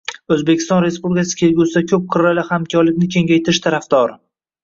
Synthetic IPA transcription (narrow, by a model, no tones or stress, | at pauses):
ɵzbekʲʰɪst̪ɒnɾe̞spublʲɪkʲasɪ̥kʲʰe̞lɡʲusɪd̪akʲʰɵp̚qʰɨɾalahamkʲʰɒɾlɪkʲnɪkʲʰe̞ŋʲajt̪ʰɪɾɪʃt̪ʰaɾafd̪ɒɾ